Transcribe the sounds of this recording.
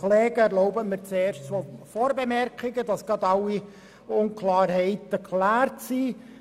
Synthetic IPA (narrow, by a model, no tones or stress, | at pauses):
lɛːɡəɛɾloʊbəmɪɾt͡seːɾʃt͡sofoːɾbemɛrkχɪɡədɑsɡ̥ɑd̪ɑlːi | ʊnkʰlɑːɾɦɛɪtəkʰlæːrtsi